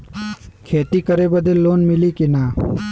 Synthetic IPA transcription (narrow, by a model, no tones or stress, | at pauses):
kʰeːt̪ikəɾebəd̪elːoːnmɪlikinaː